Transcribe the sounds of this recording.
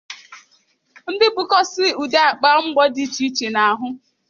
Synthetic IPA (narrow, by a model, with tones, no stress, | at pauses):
n̩˦dɪ˦bʊ˦kɔ˦sɪ˦u˨de˦a˨k͡pa˦ŋ͡m̩˦ɡ͡bɔ˦di˦t͡ʃi˦t͡ʃe˨na˨ɦʊ˦